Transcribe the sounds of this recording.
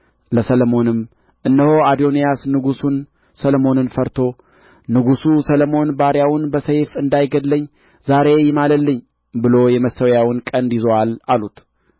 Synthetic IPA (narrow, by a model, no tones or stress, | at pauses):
ləsələmo̞nɨm | ʔɨnːəho̞ad̪o̞nijasnɨɡusun | sələmo̞nɨnfəɾt̪ʰo̞ | nɨɡususələmo̞nbaɾjawʊnbəsəjfɨnd̪ajɡəd̪ləɲː | zaɾe̞jɪmaləlːɨɲː | bɨlo̞jɛməsəwjawɨnkʼənd̪jɪzəwalalut̪